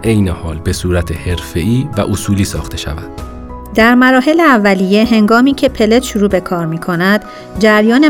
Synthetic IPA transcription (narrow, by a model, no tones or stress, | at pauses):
ʔejnehɒːlbe̞suːɾæt̪ʰehe̞ɾfeʔiːvæ̰ʔosuːliːsɒːxt̪e̞ʃæ̰væd̪̥ | d̪æɾmæɾɒːɦe̞leævːæliːje̞ɦe̞ŋɡɒːmiːcʰe̞pʰe̞le̞t̪ʃuɾuːbe̞kʰɒːɾmiːkʰo̞næd̪̥ | d͡ʒæɾjɒːne